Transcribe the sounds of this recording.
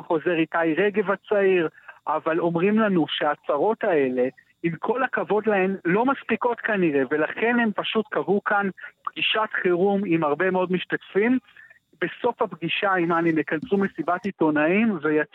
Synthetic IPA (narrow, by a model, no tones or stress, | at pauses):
χo̞ze̞ʁitajʁe̞ɡe̞vat͡saiʁʔavalo̞mʁimlanuʃeat͡saʁo̞t̪ae̞le̞ | imkʰo̞lakavo̞dlae̞mlo̞maspiko̞t̪kaniʁe̞ve̞laχe̞ne̞mpaʃutkavukanpɡiʃatχeʁumimaʁbe̞meo̞dmiʃtatfim | be̞so̞fapɡiʃaimanemekansume̞sibatito̞naimvejat͡s